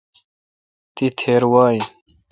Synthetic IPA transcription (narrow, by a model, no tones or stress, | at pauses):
t̪it̪ʰeːɾwaːj